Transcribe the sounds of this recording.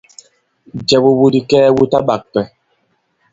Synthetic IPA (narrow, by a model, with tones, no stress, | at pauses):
d͡ʒɛ˨bo˨wu˦di˨kɛː˦wu˦ta˦ɓa˨k̚pɛ˨